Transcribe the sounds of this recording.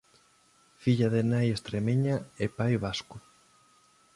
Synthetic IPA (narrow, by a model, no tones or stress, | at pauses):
fiʎaðenajest̪ɾemeɲaepajβaskʊ